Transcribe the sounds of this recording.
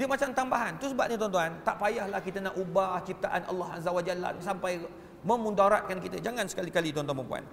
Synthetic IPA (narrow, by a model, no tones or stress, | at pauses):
diəmat͡ʃamt̪ambaɦant̪ɾusəbap̚ɲãt̪ɔnt̪uant̪aʔpajahlahkit̪ənaʔubaht͡ʃip̚t̪aʔana̰lːɔɦa̰zawad͡ʒalːa̰sampaj | mə̃mũndaɾat̪̚kankit̪əd͡ʒaŋãnsə̥kalikalit̪ɔnt̪ɔnpəmpṵa̰n